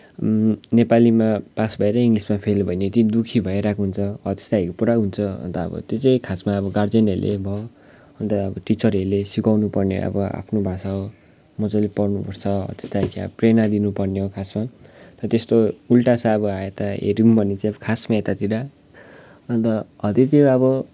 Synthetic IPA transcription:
nepalimapasbʱʌeɾʌiŋɡlismapʰelbʱʌjnet̪id̪ukʰibʱʌeɾakʰoɦunt͡sʰʌʌ̰t̪e̥st̪aɦekopuɾaɦunt͡sʰʌʌ̰nt̪ʌʌ̰bʌ̰t̪jot͡saj̃kʰasmaːbʌɡard͡zenelʔḛbʱʌ | ʌnt̪ʌːbʌʈit͡sʌrelesikawnupʌrneʌ̰bʌa̰pʰnobʱãsao | mʌt͡sʌjlepʌrnupʌrt͡sʰʌʌ̰t̪e̥st̪aɦekʰeʌ̰ʌprenad̪inupʌrneokʰasmat̪ʌt̪est̪oulʈasaʌbʌaet̪aɦḛɾiŋpʌnit͡sãj̃ʌbʌkʰasmaet̪at̪iɾa | ʌnt̪ʌʌt̪it̪iʌbʌ

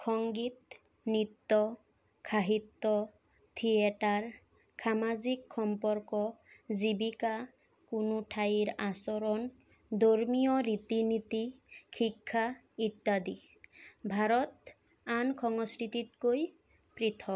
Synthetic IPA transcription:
kʰɔŋɡit̪̚ | nit̪ːɔ | kʰaɦit̪ːɔ | t̪ʰieʈaɾ | kʰamazikxɔmpɔɾkɔzibika | kunuʈʰaiɾasɔɾɔn | d̪oɾmijɔɾit̪init̪ikʰikʰːa | it̪ːad̪i | bʱaɾɔt̪̚ | ankʰɔŋɔskɾit̪it̪koj | pɾit̪ʰɔk

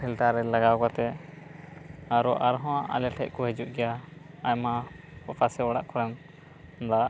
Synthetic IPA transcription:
pʰilʈ̪aɾɛlaɡakat̪ɛ | aɾɔʔaɾɦɔ̃aʔa̰lɛʈʰɛ̰ʔ̚kɔɦɛd͡ʒuʔɡɛjaː | jma | pɔpasɛwaɽaʔkʰɔɾɛn | d̪a

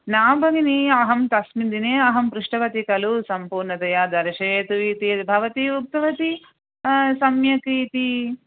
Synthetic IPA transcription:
naːbʱɐŋiniɐɦɐmt̪ɐsmind̪ineːɐɦɐmpɾuʂʈɐʋɐt̪ikɐlusɐmpuːɾɳɐt̪ɐjaːd̪ɐɾɐʃeːt̪uit̪ibʱɐʋɐt̪iup̚t̪ɐʋɐt̪i | sɐmjɐkɾiːt̪i

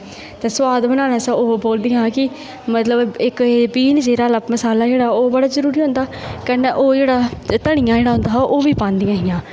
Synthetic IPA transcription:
t̪ɛːswaːd̪bənãːnaːsãːoːboːld̪ɪjãːkɪ | mət̪ləbɪkːbiːnd͡ʒeːɾaːləpməsaːlaːd͡ʒeːɽaːoːbəɽaːzəɾuːɾiːɦõːnd̪aːkɛːnːeːʔoːd͡ʒeːɽaːt̪əɳɪjãːd͡ʒeːɽaːɦʊ̃nd̪aːɦʔoːʋiːpãːnd̪ɪjãːɦɪjãː

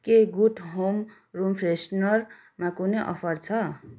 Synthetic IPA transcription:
keɡuʈɦom | rumpʰresnʌr | makuneʔʌ̰pʰʌrt͡sʰʌ

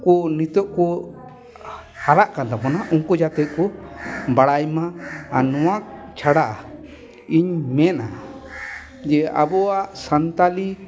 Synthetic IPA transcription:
kɔnit̪ɔʔkɔ | haɾaʔkand̪apɔnaʔuŋkɔd͡ʒat̪ɛʔ̪̚kɔbaɽajmãanɔwak̚t͡ʃʰaɽaʔa | iɲmɛna | d͡ʒɛa̰bɔaʔsant̪ali

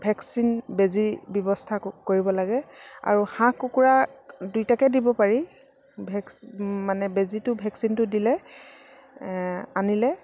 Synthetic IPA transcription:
bʱɛksinbezibjɔbɔstʰakoɹibɔlaɡɛa̰ɹuhãkukuɹadujtakɛdibɔpaɹi | bʱɛksmanɛbezitʊbʱɛksintʊdilɛ | anilɛ

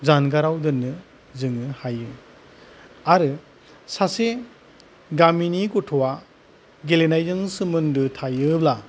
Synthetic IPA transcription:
zanɡaɾawdɯnːɯ | zɯŋɯhajɯ | aɾɯ | sase | ɡaminiɡutʰɔwa | ɡelenajzɯŋsɯmɯndɯtʰajɯbla

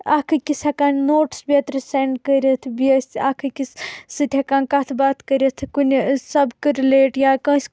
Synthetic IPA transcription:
akʰɨkisɐkaːnnoːʈsbʲiɐt̪ɾɨseɳɖkəɾʲɐt̪ʰbiɐsakʰɨkissɨt̪ʲʰekãːnkɐt̪ʰbaːt̪kəɾʲɐt̪ʰkunʲsɐbkɨɾileːʈjaːkə̃ːsʲ

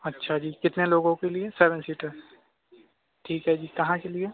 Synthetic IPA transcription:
ɐtːʃʰad͡ʒiːkɪt̪neloːɡõkelieseːʋə̃nsiːʈəɾz | ʈʰiːkɦɛd͡ʒiːkɐɦãkelie

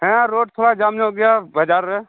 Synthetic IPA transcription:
ɦɛ̃ɾoːɖ̚t̪ʰoːɽad͡ʒaːmneɦoɡɪjabəd͡ʒaːɾɛ

